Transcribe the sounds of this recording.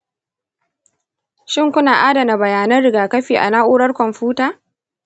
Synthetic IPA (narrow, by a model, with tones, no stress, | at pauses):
ʃɪ˦˨ŋkʷʊ˦naː˨ʔaː˦dɐ˨na˨bɐ˨jaː˨nɐ˦nɽɪ˨ɡaː˨kɐ˦ɸiː˨ʔa̰˨naː˦ʔʷuː˦ɽɐ˦rkʷɔ˨mɸuː˦taː˨